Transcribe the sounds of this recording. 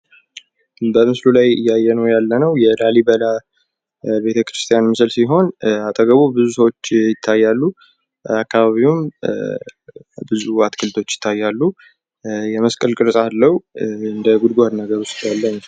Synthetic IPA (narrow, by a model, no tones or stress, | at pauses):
bəmɨslulajɨ̰jːajːɛnəwjalːənəwjɛlalibəla | be̞t̪ʰəkɾɨst̪ʰijanmɨsɨlsiɦo̞nat̪ʼəɡəβubɨzusəwo̞t͡ʃːjɪt̪ʰːajːalːu | akːaβaβiwʊm | bɨzuat̪kʰɨlt̪ʰo̞t͡ʃːjɪ̥t̪ʰːajːalːu | jɛməskʼəlkʼɨɾsʼalːəwɨnd̪əɡud̪ɡʷad̪nəɡəɾʊst̪ʼjalːəɲː